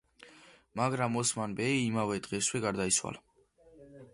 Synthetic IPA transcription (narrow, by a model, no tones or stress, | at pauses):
maɡɾamɔsmanbɛiːmavɛd̪̥ʁɛswɛɡaɾd̪aiswa̰la